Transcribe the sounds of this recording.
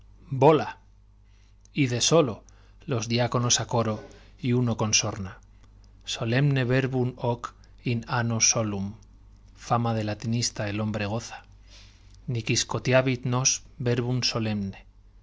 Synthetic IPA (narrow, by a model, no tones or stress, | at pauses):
bo̞la | iðe̞so̞lo̞ | lo̞zðiako̞no̞sako̞ɾoiuno̞ko̞nso̞ɾna | so̞le̞mne̞βe̞ɾβunok | inanoso̞lum | famaðe̞lat̪inist̪aelo̞mbɾe̞ɣ̞o̞θḁ | nikisko̞t̪jaβit̪no̞sbe̞ɾβunso̞le̞mne